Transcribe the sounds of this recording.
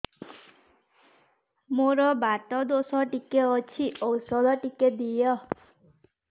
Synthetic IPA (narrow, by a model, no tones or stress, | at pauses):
moɾɔbaʈɔd̪osɔʈikeɔt͡ʃʰiʔɔwsɔd̪ɔʈiked̪ijɔ